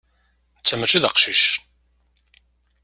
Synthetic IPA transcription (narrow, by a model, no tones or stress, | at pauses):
t͡sːæmət͡ʃːiðə̰qʃiʃ